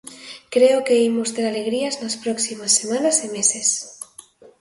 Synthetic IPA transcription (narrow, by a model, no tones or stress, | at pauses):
kɾeokeimost̪eɾaleɣ̞ɾiaznaspɾɔksimasːemanasimeses